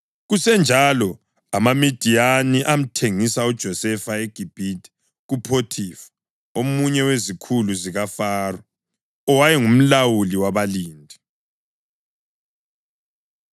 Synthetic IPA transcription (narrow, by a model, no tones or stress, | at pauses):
ɣusɛnd͡ʒʱalɔ | amamid̥ʱijaniʔam̩tʰeŋisaud̥ʒ̥ʱɔsɛfaeɡ̥ʱib̥ʱitʰʼi̥ | ɣupʰotʰifḁ | omuɲɛwezikʰuluziɣafaːrɔː | wajɛŋum̩lawuliwaβaliːndʱi